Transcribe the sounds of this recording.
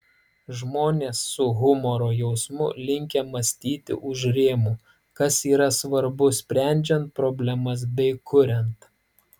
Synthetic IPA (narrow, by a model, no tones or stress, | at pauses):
ʒmoːnʲeːsːʊɣʊmɔɾoːjɛʊsmʊlʲɪŋʲkʲɛmɐsʲt̪ʲiːt̪ʲɪ̰ʔʊʃɾʲeːmuː | kɐsiːɾɐsʋɐɾbʊsʲpʲɾʲæˑnʲd͡ʒʲɛnt̪̚pɾɔbʲlʲɛmɐs̬bʲɛɪkʰʊɾʲɛnt̪